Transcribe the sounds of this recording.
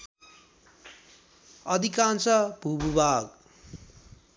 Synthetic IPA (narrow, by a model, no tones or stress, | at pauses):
ʌd̪ʱikãnt͡sʌb̥ʱububaɡ